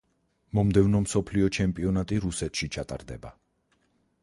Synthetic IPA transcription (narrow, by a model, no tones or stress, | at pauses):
mɔmd̪ɛvnɔmsɔpʰliɔt͡ʃʰɛmpʼiɔnat̪ʼiɾusɛt̪ʃit͡ʃʰat̪ʼa̰ɾd̪ɛ̰ba̰